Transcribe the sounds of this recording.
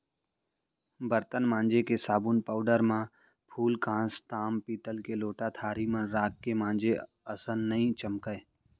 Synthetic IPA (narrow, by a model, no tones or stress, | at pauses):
bəɾt̪ənmãːnd͡ʒekesaːbuːnpaːʊɖəɾmã | pʰuːlkãːst̪aːmpiːt̪əlkeloːʈat̪ʰaːɾimãɾaːkːemãːnd͡ʒe | əsənːəĩt͡ʃəmkəe